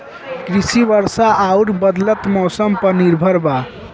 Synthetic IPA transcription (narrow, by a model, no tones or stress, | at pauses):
kɾisibəɾsaʔauɽbəd̪lət̪mɔsəmpəniɾbʱəɾba